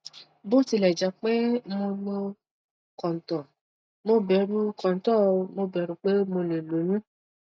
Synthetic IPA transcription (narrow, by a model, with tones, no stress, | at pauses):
bo˦ti˧˨lɛ˨d͡ʒa˨k͡pɛ˦mo˧mo˧ | kɔ˨n̩˨tɔ˨ | mo˦bɛ˨˦ɾu˧kɔ˨n̩˨tɔ˦˨˧mo˦˨bɛ˨˧˦ɾu˧k͡pe˦mo˧nẽ˨lo˨˦nũ˦